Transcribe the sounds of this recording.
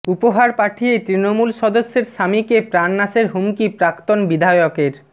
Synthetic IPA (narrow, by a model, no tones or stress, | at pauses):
upoɦaɾpaʈʰijet̪ɾinomulʃɔd̪osːeɾʃamikepɾanːaʃeɾɦumkipɾakt̪onbid̪ʱajokeɾ